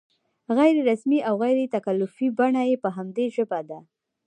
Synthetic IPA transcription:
ɣajɾeɾasmiʔawɣajɾet̪akalːʊfibaɳajepəɦamd̪eʒəbad̪a

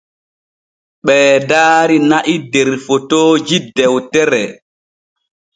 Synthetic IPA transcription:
ɓɛːdaːɾinaʔidɛɾfɔtɔːd͡ʒidɛwtɛɾɛ

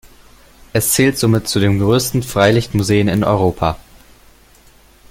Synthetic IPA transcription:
ʔɛst͡sɛːltz̥oːmɪtt͡sudeːmɡʁøːstn̩fʁ̥aɪlɪçtmuzeːənɪnɔ̰ʏʁ̞oːpʰa

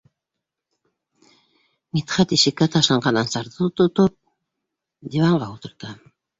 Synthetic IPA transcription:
mit̪χɑt̪iʃɘ̆kːæt̪ʰɑʃlˠɑɴɑnɑnsɑɾðɤot̪ot̪op̚ | d̪ʲivɑɴɢɑult̪ɤ̆ɾt̪ɤ

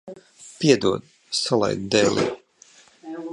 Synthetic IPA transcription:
piɛd̪uɔd̪ | salˠa̰jd̪d̪ɛːlˠḭː

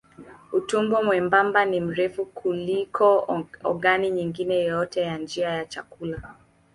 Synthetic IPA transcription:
utuŋɡwɔmwɛmbambanim̩ɾɛfukʰulikʰɔɔ̰ɡaniɲiŋɡinɛjɔjɔtɛjand͡ʒiajat͡ʃakula

